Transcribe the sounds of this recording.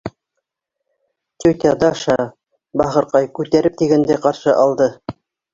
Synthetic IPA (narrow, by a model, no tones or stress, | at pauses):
t̪ʲukʲiɑd̪ɑʃɑ | bɑχɤ̆ɾqɑjkʉt̪æɾɘp̚t̪iɡænd̪æjqɑɾʃɤʔɑlˠd̪ɤ